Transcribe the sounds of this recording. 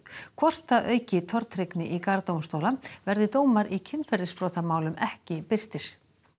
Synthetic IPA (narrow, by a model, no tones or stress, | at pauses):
kʰvɔr̥t̪aʔœːɥcɪt̪ʰɔɾt̪ɾɪknɪʔikaɾt̪owmst̪oːwlavɛɾðɪt̪oːwmaɾicʰɪnfɛɾðɪspɾoːt̪amaːwlʏmɛhcɪpɪr̥t̪ɪɾ̥